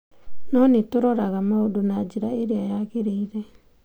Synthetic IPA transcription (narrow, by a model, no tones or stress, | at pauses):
nonitoɾoɾaɡamaodunad͡ʒiɾaeɾeajaɡeɾejɾe